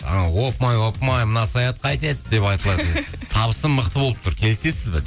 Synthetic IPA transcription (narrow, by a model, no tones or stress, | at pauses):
wo̞pmɑjwo̞pmɑjmənɑsɑjɑt̪̚qʰɑjt̪e̞t̪d̪e̞pɑjt̪əlˠɑd̪ | t̪ʰɑβəsənmːəqt̪əbolˠəp̚t̪ʰʊɾkʲʰe̞lse̞sɪzbɪ̰